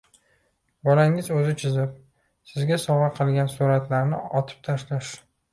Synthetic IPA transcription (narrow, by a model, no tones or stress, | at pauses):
bɒlaŋɪzɵzɪt͡ʃʰɪzɪp̚ | sɪzɡʲasɒʁɑqʰɨlˠɡʲansuɾat̪laɾnɪ̰ɒt̪ʰɪ̥p̚t̪ʰaʃlaʃ